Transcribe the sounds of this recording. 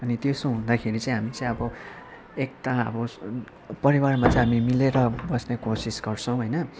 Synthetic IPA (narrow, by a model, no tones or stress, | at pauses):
ʌnit̪josoɦũnd̪akʰeɾit͡saĩɦamit͡saĩʌbʌ | ek̚taʌ̰bʌ | pʌɾiwarmat͡saĩɦamimileɾʌbʌsnekosisɡʌrt͡sʰʌ̃w̃ɦojnʌ